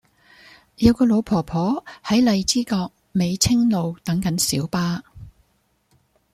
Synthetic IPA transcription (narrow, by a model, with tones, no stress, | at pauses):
jɐ˨˧wkɔː˧lo˨˧wpʰɔː˨˩pʰɔː˨˥hɐ˨˥jlɐ˨jt͡siː˥kɔː˧k̚ | me˨˧jt͡sʰɪ˥ŋlo˨˧wt̪ɐ˨˥ŋkɐ˨˥nsiː˨˥wpaː˥